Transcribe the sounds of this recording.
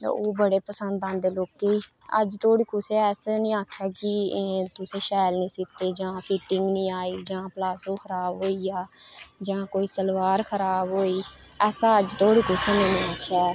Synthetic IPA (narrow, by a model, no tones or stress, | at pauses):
t̪a̰oːbəɽeːpəsənd̪ãːnd̪eːloːkeiː | ə̰d͡ʒt̪ʰoːɽiːkʊseːɛːsnĩːaːkʰjaːkɪt̪ʊsẽːʃɛːlnĩːsɪt̪ːeːd͡ʒãːpʰiːʈɪŋɡnĩːaːiːd͡ʒãːplaːsõːxʰəɾaːbɦoːiːaːd͡ʒãːkoːiːsəlʋaːɾkʰəɾaːbɦoːiː | ɛːsaːəd͡ʒt̪ʰoːɽiːkʊseːnẽnĩːaːkʰjaː